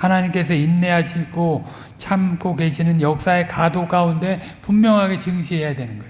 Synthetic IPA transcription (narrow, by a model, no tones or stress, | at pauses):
hanaɲimk͈e̞sʰʌinːe̞ɦaɕʰiɡo | t͡ɕʰamk͈oke̞ɕʰinɯnjʌk̚s͈ae̞kadok͈aunde̞ | pumːjʌŋɦaɡe̞t͡ɕɯŋɕʰiɦe̞jadwe̞nɯnɡʌ